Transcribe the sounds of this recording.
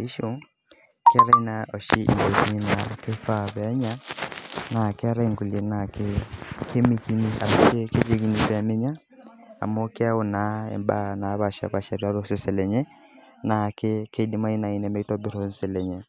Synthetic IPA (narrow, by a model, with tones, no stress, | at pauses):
a˨i˦ʃo˦ | ke˦a˦ɾa˦i˦na˨ɔ˨ʃi˦ʔḭ˨nbɔ˨ki˦ni˦na˨ke˦fa˦βɛ˨a˦ɲa˦ | na˨ke˦a˦ɾa˦i˦ŋɡu˨le˨na˨ke˦kʰe˦mi˦ki˦ni˦a̰˨ɾa˨ke˦ke˦le˦ki˦ni˨βɛ˨a˨me˦ɲa˦ | a̰˨mo˦ke˦a˦o˦˨na˨˦ɛ̰˨mba˦na˨˦βa˨ʃa̰˨βa˨ʃa˨ɾja˦ɾo˦se˦sɛ˨lɛ˨ɲɛ˦ | na˨ke˦ke˦di˦ma˦i˦na˨i˨nɛ˦mɛ˦tɔ˦bi˦ɾɔ˨nsɛ˨lɛ˨ɲɛ˨